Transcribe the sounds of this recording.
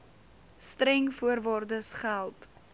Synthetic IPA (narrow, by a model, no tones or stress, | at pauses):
stɾɛŋfuərvɑːrdəsχælˠt